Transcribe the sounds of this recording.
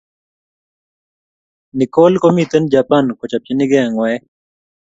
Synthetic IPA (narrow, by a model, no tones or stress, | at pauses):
nikolkomit̪ənd͡ʒapankot͡ʃapt͡ʃiniɡɛŋwɛɛ